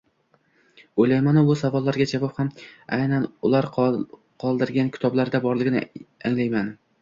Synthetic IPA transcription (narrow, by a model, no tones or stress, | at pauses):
ojlajmanɪbʊsavɒlˠːaɾɡʲad͡ʒavɒphama̰jnanʊlˠaɾ | qʰɒlˠd̪ɪɾɡʲankʰʲɪ̥t̪ʰɒblaɾd̪abɒɾlˠɪɡʲɪnɪaŋlajman